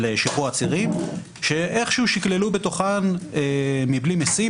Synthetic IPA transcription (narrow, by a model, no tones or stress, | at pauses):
leʃiχuat͡siʁim | ʃeʔeχʃeuʃiklelubet̪o̞χanemiblimesi